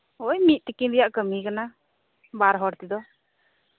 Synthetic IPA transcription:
ojmit̪̚t̪ɛkinɾɛjaʔkəmikana | baɾɦɔɽt̪id̪ɔ

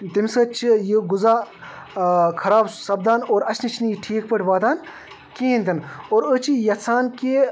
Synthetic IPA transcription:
t̪imsɐt͡ʃʰijɨɡʊzaː | kʰɐɾaːbsɐb̚d̪aːnoːɾɐt͡ʃnit͡ʃʰniʈʰiːkpəʈʰʲʋaːt̪aːn | kẽːnt̪inoːɾət͡ʃʰijɐt͡sʰaːnkeː

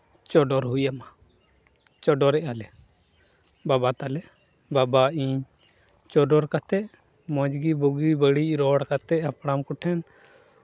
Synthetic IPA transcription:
t͡ʃɔɖɔɾɦujama | t͡ʃɔɖɔɾɛʔalɛ | babat̪alɛ | babaiɲ | t͡ʃɔɖɔɾkat̪ɛʔ | mɔ̃d͡ʒɡibɔɡibəɽiʔɾɔɽkat̪ɛʔapɽamkɔʈʰɛn

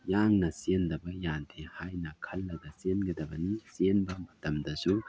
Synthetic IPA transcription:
jaŋnɐsendɐbɐjantʰehajnɐkʰɐlːɐdɐsenɡɐdɐbɐnisenbɐmɐtɐmdɐsu

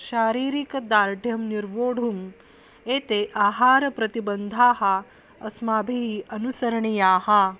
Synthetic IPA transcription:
ʃaːɾiːɾikɐd̪aːɾɖʱjɐmniɾʋoːɽ̤ʱum | eːt̪eːʔaːɦaːɾɐpɾɐt̪ibɐnd̪ʱaːɦɐ | ɐsmaːbʱiɦiʔɐnusɐɾɐɳijaːɦɐ

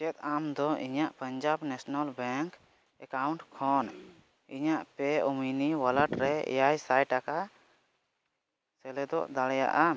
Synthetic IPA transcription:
t͡ʃɛt̪̚amd̪ɔʔiɲaʔpəɲd͡ʒabnɛsnalbɛŋk | ɛkawɳʈkʰɔn | iɲaʔpɛuminiwaləʈɾɛ̰jajsajʈaka | sɛlɛd̪ɔ̰ʔd̪aɽɛja̰ʔa

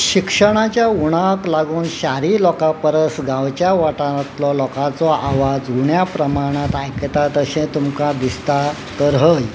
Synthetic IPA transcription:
ɕikʂəɳ̃at͡ɕjauɽ̃aklaɡuːnɕaɾiːlɔkapəɾəsɡãʋt͡ɕjaʋaʈat̪lɔlɔkat͡sɔʔaʋad͡zɦuɳjapɾəmaɽ̃at̪ajkət̪at̪əɕɛ̃t̪umkad̪ist̪a | t̪əɾɦəj

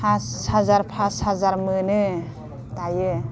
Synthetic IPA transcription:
assazaɾpʰashazaɾmɯnɯ | t̪ajɯ

